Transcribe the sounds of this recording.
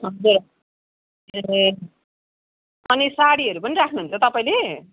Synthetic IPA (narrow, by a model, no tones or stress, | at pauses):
ɦʌnd͡zur | ere | ʌnisaɽiɦʌɾupʌniɾakʰnuːnt͡sʰʌt̪ʌpaĩle